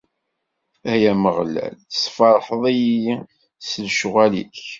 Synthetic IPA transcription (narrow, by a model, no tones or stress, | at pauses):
æhjæməʁlæ̰lsˤfɑɾˤħəðˤijiji | səlʃʊʁælḭk